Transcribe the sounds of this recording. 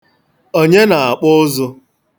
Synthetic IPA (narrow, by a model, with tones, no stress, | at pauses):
o˦ɲe˦na˨a˨k͡pʊ˦zʊ˦